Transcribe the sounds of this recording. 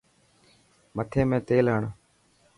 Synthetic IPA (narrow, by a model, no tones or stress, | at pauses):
mət̪ʰeːmẽːt̪eːlɦəɳ